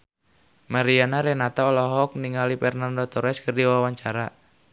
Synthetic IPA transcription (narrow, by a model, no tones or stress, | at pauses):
maɾianaɾɛnat̪aɔlɔɦɔk̚niŋalipɛrnandɔt̪ɔɾɛskɨrdiwawaɲt͡ʃaɾa